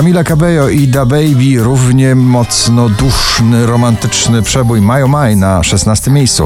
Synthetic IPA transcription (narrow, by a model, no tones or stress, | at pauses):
amʲilakabɛjɔid̪abɛjbʲiɾuvɲɛmɔt̪snɔd̪uʂnɘɾɔmant̪ɘt͡ʂnɘpʂɛbujmajɔmajnaʂɛsnast̪ɘmʲejst̪sṵ